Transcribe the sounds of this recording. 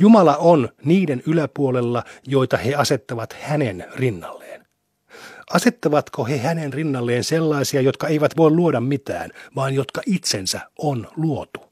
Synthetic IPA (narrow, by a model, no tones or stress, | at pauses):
jumɑlɑonniːdenylæpuolelːɑjo̞jt̪ɑheɑset̪ːɑʋɑt̪hænenrinːɑlːeːn | ɑse̞t̪ːɑʋɑt̪kohehænenrinːɑlːeːnselːɑisiɑjot̪̚kɑeiʋæt̪ʋo̞illuodɑmmit̪æ̰ːnʋɑːnjot̪kɑʔit̪sensæonluot̪u̥